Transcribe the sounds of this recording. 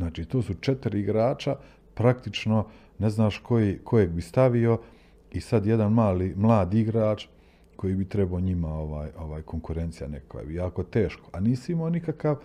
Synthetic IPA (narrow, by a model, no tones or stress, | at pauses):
naːt͡ʃiːt̪oːsut͡ʃet̪iɾiɡɾaːt͡ʃa | pɾakt̪it͡ʃno̞ | ne̞znaːʃko̞jikʰo̞jeɡbist̪aʋio̞ | isad̪je̞d̪anmaːliːmlˠaːd̪iɡɾaːt͡ʃ | ko̞jiːbit̪ɾebaoɲimao̞ʋaːjo̞ʋaːjko̞ŋkuɾe̞nt̪sija̰nekakʋa̰bijaːko̞t̪e̞ːʃko̥aniːsimoːnikakaʋ